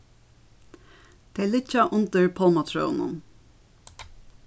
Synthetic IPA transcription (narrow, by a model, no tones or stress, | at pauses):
d̪̥eːlɪcɑʔʊnt̪əɹpʰɔlmɑt̪ʰɹœ̰ːnə̰n